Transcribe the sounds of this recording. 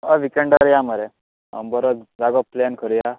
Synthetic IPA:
aʋikeɳɖaɾjamaɾḛ | bəɾot͡sd͡zaɡɔplɛnkʰəɾja

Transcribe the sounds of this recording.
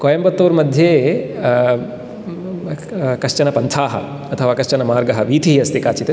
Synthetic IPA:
koːjɐmbɐt̪ːoːɾmɐd̪ʱjeː | kɐʂt͡ʃɐnɐpɐnt̪ʰaːɦɐ̰ | ɐt̪ʰɐʋaːkɐʃt͡ʃɐnɐmaːɾɡɐɦɐʋiːt̪ʰiɦɐst̪ʰikaːt͡ʃit̪e

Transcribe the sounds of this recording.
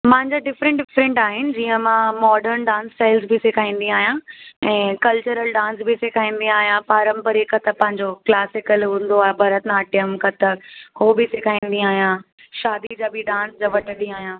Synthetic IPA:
mãɦɪ̃ɲd͡ʑaːɖɪfɾɛ̃ɳʈɖɪfɾɛ̃ɳʈaːɦɪnɪ̆d͡ʑiːə̃mãːmɔːɖəɾnɖãːnsʈaːɪlzbʱɪsɪkʰaːĩːn̆d̪iaːɦijãɛ̃ːkɐlt͡ɕəɾəlɖãːns̬bɪsɪkʰaːĩːn̆d̪ĩaːɦijãpaːɾə̃mpəɾekɐt̪əpːɐ̃ɦɪ̃ɲd͡ʑoklaːsɪkəlɦũːn̆d̪oaːɦebʱɐɾət̪naːɐʈijəmkɐt̪əhoːbɪsekʰaːĩːn̆d̪ĩaːɦijã | ʃaːd̪id͡ʑaːbʱɪɖãːnsd͡ʑaːʋɐʈʰəɗĩaːɦijãː

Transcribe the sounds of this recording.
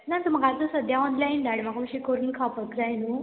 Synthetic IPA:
nant̪um̤aɡaəsəd̪ʱjaɔnlajnd̪aɽim̤aɡaməɕikəɾuːnkʰapəkɾajnu

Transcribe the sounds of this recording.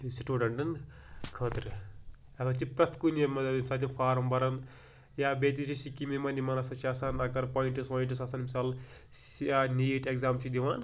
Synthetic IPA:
siʈuːɖɐɳʈɐn | kʰɐːt̪ɾ | ɐsɐt͡ʃʰipɾɐt̪ʰkunjɐmɐɐmʲisaːlt̪ʰipʰaːɾɐmbɐɾɐn | jaːbeːt̪it͡ʃʰisikimimɐnimɐnɐsɐt͡ʃʰiɐsaːnɐkɐɾpaːiɳʈisʋaːiɳʈisɐsaːnmisaːl | sjanijʈekzaːmt͡ʃʰid̪iʋaːn

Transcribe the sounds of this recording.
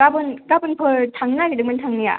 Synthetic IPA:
abɯnkabɯnpʰɯɾtʰaŋnaɡidɯk̚mɯntʰaŋnija̰

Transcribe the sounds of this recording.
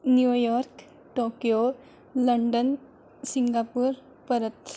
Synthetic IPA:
njujɔːɾk | ʈoːkjo | ləɳɖən | siŋɡaːpuɾ | pəɾət̪

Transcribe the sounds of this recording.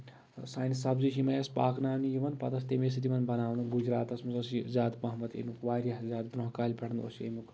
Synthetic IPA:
saːnʲisɐbziʃimɐjɐspaːknaːnijiʋɐnpɐt̪ɐs̬t̪emes̬it̪ʲiʋɐnbɐnaːʋnd̪unɡud͡ʒɾaːt̪ɐsmɐzɐszʲaːd̪mɐɦmɐt̪ḛmʲukʋaːɾʲjazʲaːd̪bɾoɦkaːlʲibɐɽnd̪o̰sḛmʲuk

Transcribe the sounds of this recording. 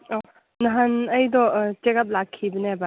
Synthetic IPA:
ɔ | nɐɦanɐjd̪ɔt͡ʃekap̚lakʰːibəneba

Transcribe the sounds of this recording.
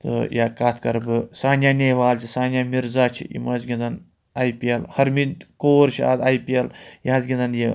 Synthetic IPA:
t̪ɨ̰jaːkaːt̪ʰkɐɾbɨsaːnʲjaːnʲeːʋaːlt͡ʃʰisaːnʲjaːmiɾzaːt͡ʃʰḭjḭmɐːzɡʲind̪ɐn | ajpiɐlhɐɾminkoːɾt͡ʃʰia̰ːd̪aːjpiɐljaːzɡʲind̪ɐnji

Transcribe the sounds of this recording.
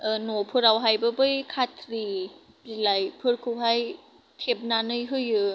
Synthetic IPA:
ʔɯnopʰɯɾawɦajbɯbɯjkʰat̪ʰɾi | ilajpʰɯɾkʰuɦaj | t̪ʰep̚naːnɯjɦɯjɯ

